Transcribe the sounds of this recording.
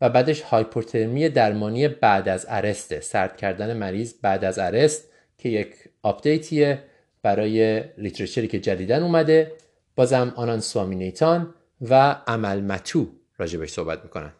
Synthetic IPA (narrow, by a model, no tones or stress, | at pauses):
væbæːd̪e̞ʃhɒːjpʰoɾt̪ʰeɾmije̞d̪æɾmɒːnije̞bæd̪æzæɾe̞st̪ʰesæɾt̪̚cʰæɾd̪æne̞mæɾiːzbæd̪æzæɾe̞st̪̚ | cʰe̞jecʰɒːpd̪̥e̞jt̪ʰie | b̥æɾɒːje̞lit̪ɾeʃeɾiːcʰe̞d͡ʒæd̪iːd̪ænumæd̪e̞ | b̥ɒːzæmɒːnɒnsɒːminejt̪ʰɒn | vææmælmæt̪ʰuː | ɾɒːd͡ʒe̞beʃso̞hbæt̪miːkʰo̞̰næ̰nd̪̥